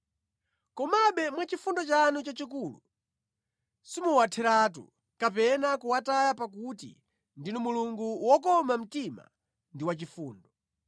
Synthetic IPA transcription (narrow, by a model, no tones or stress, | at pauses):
kɔmaɓɛmwat͡ʃifundɔt͡ʃanut͡ʃat͡ʃikuːlṵ | simuwatʰɛɾaːtṵ | kapɛnakuwatajapak̬utḭ | ndinɔmuluŋɡuwɔkɔmam̩tima̰ | ndiwat͡ʃifuːndɔ